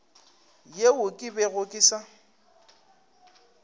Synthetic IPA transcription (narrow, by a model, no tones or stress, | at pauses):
jeʊkʼɪbeɣʊkʼɪsa